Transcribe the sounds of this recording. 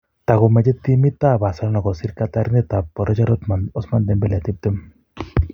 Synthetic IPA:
t̪aɣɔmɛd͡ʒɛt̪imit̪abasaɾɔnɔɡɔsiɾkat̪aɾinɛt̪apːɔɾɔd͡ʒaɾaɔsmand̪ɛmbɛlat̪ib̚d̪em

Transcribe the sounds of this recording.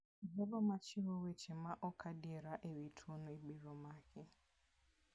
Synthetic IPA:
ɦebɔmat͡ʃɪɦowet͡ʃemaʔɔkʰadieɾaʔewitʰuonɔiɡ͡biɾɔmakɪ

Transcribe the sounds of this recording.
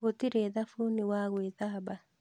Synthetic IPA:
ot̪iɾeðafoniwaɣweðaba

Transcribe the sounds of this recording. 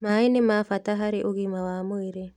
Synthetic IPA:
mainemafataɦaɾiʔuɡimawamojɾe

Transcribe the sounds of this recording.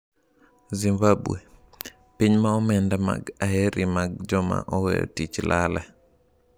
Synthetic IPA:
zimbabue | piɲmaɔmɛndama̰ɡahɛɾʔimaɡ̚d͡ʒɔma̰ʔɔwɛ̰tit͡ʃlʔalɛ

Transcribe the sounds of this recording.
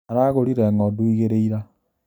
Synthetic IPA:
aɾaɣoɾiɾɛŋɔduiɣeɾeiɾa

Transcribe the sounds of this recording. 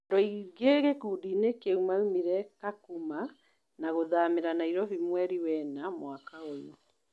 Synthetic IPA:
dɔiɡeɣekuːdinekeumaumiɾɛkakuma | naɣoðameɾanaiɾɔvimwɛɾiwɛnamwakaoju

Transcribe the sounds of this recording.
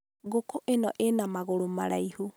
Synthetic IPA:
ɣokoʔenɔʔenamaɣoɾomaɾaihu

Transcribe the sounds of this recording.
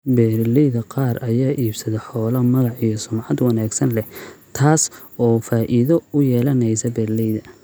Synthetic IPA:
bɛːrlɛjðɐqɑːrɐjaːʔiːbsɐðɐħɔːlɐmɐɣɑʕijɔsʊmʕɑd̪wɑnaːɡsɐnlɛt̪ʰaːsɔːfaːʔiðɔʊjɛːlɐnɛjsɐbɛːrlɛjðɐ

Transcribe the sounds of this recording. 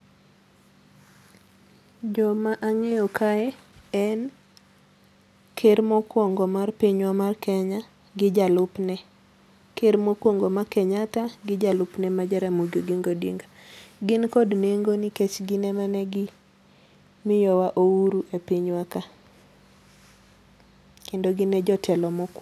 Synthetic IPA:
d͡ʒɔmaʔaŋɛɔkʰaɛ | ɛn | kʰeɾmɔkwɔŋɡɔmarpiɲwamarkɛɲa | ɡɪd͡ʒalʊpnɛ | keɾmokwoŋɡɔmakɛɲataɡɪd͡ʒalʊpnɛmad͡ʒɛɾɛmuɡjoɡiŋɡodḭŋɡaɡɪnkɔdneŋɡonɪket͡ʃɡɪnɛmanɛɡɪ | mɪjɔwaʔouɾuʔepiɲwaka | kendoɡɪnɛd͡ʒɔtʰɛlɔmɔk

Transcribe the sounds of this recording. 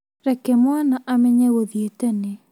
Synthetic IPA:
ɾɛkɛmwanaʔamɛɲɛɣoðietɛne

